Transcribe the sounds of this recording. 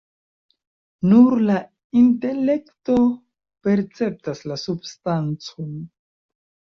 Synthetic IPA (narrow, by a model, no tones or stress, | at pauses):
nuɾla | inte̞le̞kto̞ | pe̞ɾt͡se̞p̚taslasubstant͡son